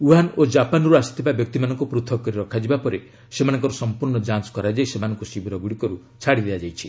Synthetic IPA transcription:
uɦanod͡ʒapanɔɾuasi̥t̪ʰibabjɔk̚t̪imanɔŋkupɾut̪ʰɔkɔɾiɾɔkʰad͡ʒibapɔɾe | semanɔŋkɔɾɔsɔmpuɾɳɔd͡ʒansɔ̥kɔɾad͡ʒaisemanɔŋkusibʱɾɔɡuɽikɔɾu | t͡ʃʰaɽid̪ead͡ʒajt͡ʃʰi

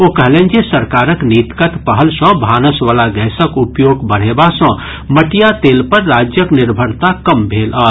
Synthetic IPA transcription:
okəɦlẽnd͡ʒesəɾkaːɾəkniːt̪kət̪pəɦəlsə̃bʱaːnəsʋalaɡɛːsəkupjoːɡbəɽ̤ebasə̃ | məʈijat̪eːlpəɾːaːd͡ʒjəknɪɾbʱəɾt̪akəmbʱeːlʔə

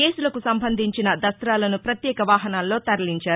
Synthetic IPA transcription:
eːsulɐkusɐmbɐnd̪ʱiɲt͡ʃinɐd̪ɐst̪ɾaːlɐnupɾɐt̪jɛːkɐʋaːɦɐnaːlːo̞ːt̪ɐɾɐliɲt͡ʃaːɾu

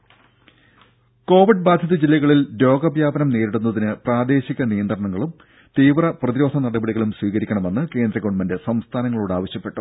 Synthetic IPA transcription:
ko̞ːʋiɖbaːd̪ʱjɐðɐd͡ʑilːɐɣɐɭildo̞ːɡɐbjaːbɐnɐmneːɾiɽunːɐðinɨpraːd̪e̞ːɕiɣɐnijɐnd̪rɐɳɐŋːɐɭum | t̪iːʋrɐprɐðiɾo̞ːd̪ʰʱɐnɐɽɐbɐɽiɣɐɭumsʋiːɣɐɾikʲːɐɳɐme̞nːɨke̞ːnd̪rɐɡoɳmɐndɨsɐmst̪ʰaːnɐŋːɐɭuːɽaːʋɐɕjɐpːe̞ʈːu

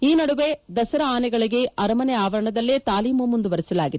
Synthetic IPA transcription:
iːnɐɽuʋe̞d̪ɐsɐɾɐaːnɛɡɐɭiɡe̞ɐɾɐmɐnɛaːʋɐɾɐɳɐd̪ɐlːeːt̪aːliːmɐmːund̪uʋɐɾɛsɐlaːɡid̪

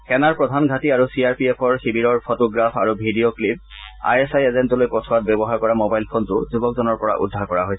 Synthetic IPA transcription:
kɛnaɹpɹɔdʱanɡʱatiaɹusiaɹpiɛpʰɔɹxibiɹɔɹpʰotɔɡɹapʰa̰ɹubʱidioklip̚ | a̰jesajezentɔlojpɔtʰwat̚bɛbɔɦaɹkɔɹamobajlpʰontʊ̰zubɔk̚zɔnɔɹpɔɹa̰ʔṵdʱaɹkɔɹaɦojsɛ

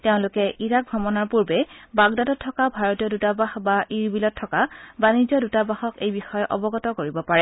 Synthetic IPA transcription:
teʊ̃lʊkɛʔiɹak̚ɡʱɔmɔnaɹpuɹbɛbaɡdadɔtʰːɔkabʱaɹɔtijɔdutabaxbaʔiɹbilɔt̚tʰːɔkabanizɔdutabaxɔkejbixɔjɔʔɔ̰bɔɡɔtɔkoɹibɔpaɹɛ

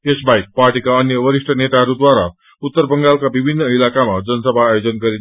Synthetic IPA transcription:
esbaik̚parʈikaʌnjʌwʌɾiʂʈʰʌnet̪aɦʌɾud̪waɾa̰ | ut̪ːʌrbʌŋɡalkabibʱinːʌilakamad͡zʌnsʌbʱaːjod͡zʌnɡʌɾi

